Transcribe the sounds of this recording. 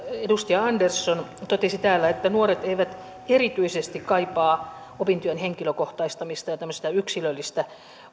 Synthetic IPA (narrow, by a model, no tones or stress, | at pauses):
edust̪iɑɑndersːont̪ot̪esit̪æːlːæet̪ːænuoret̪eiʋæt̪ | erit̪yisest̪ikkɑipɑː | opint̪yænheŋkiløkoht̪ɑist̪ɑmist̪ɑjɑt̪æmːøst̪ɑyksilølːist̪æ